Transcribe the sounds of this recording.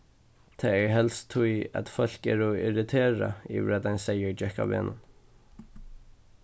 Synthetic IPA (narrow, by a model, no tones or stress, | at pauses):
t̪ʰaːɛɹɦɛlst̪ʰːuja̰t̪fœl̥kɛːɹɔɪɹɪt̪ʰeːɹa̰ḭːʋɪɹad̪ajnsɛjəɹd͡ʒɛhka̰vḛːnʊn